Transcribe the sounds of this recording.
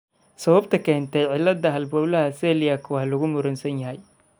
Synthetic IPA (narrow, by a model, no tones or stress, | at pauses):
sɐβɐbt̪ʰɐkʰɛːnt̪ʰɛjʕɪlːɐd̪ɐɦɐlbɔːlɐhɐsɛːlɪjakʰʊwɑhlɐɣʊmʊɾɐnsɐnjɐɦɛj